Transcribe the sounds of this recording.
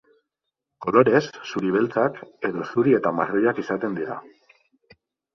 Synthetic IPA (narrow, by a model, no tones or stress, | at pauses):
ko̞lo̞ɾe̞sːuɾiβe̞lt͡sake̞ðo̞suɾie̞t̪ama̰rojakisat̪e̞nd̪iɾa̰